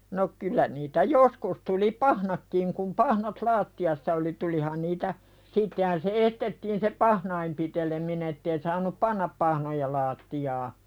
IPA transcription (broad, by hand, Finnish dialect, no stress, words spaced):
no kylˑæ niːtæ joskus tuli pɑhnɑkːiŋ kum pɑhnɑt lɑːtːiɑsːɑ oli tulihɑn niːtæ sitːehæn se estetːiːn se pɑhnɑim pitelemine tːei sɑːnup pɑnːɑp pɑhnojɑ lɑːtːijɑː